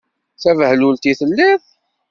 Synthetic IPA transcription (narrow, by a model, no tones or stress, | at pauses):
θævhlult̪iθəlːið